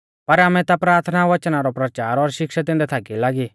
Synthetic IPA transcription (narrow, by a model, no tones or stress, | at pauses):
pɐɾamɛ̃t̪apɾaːɾt̪ʰnaʋɐt͡ʃnaɾɔpɾɐt͡ʃaːɾɔɾʃɪkʃat̪̬ɪ̃nd̪ɛt̪ʰaːkilaːɡi